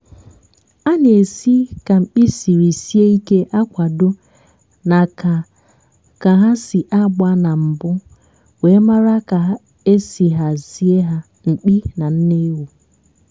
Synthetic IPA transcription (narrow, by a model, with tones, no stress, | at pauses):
a˦ne˨si˦ka˨ŋ͡m̩˨k͡pi˦si˨ɾi˨si˦e˦i˦ke˦ʔa˦kʷa˨do˦ | na˨ka˨ | ka˨ɦa˦si˨ʔa˦ɡ͡ba˦na˨m̩˨bʊ˦ | we˨˦ma˦ɾa˦ka˨ɦ | e˦si˨ɦa˨zi˦e˦ɦa˦ | ŋ͡m̩˨k͡pi˦na˨n̩˦ne˦wu˨